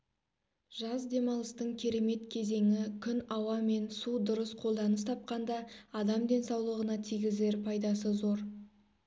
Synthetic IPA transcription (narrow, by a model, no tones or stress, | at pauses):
ʒ̥ɑzd̪e̞mɑlˠəst̪əɴkʲʰe̞ɾe̞me̞t̪kʲʰe̞ze̞ŋɪkʲʰʏnɑwɑme̞nsud̪ʊɾəsqʰo̞lˠd̪ɑnəst̪ʰɑp̚qɑnd̪ɑːd̪ɑmd̪e̞nsɑwlˠəʁənɑt̪ʰijɡʲɪzle̞ɾpʰɑjd̪ɑsəzo̞ɾ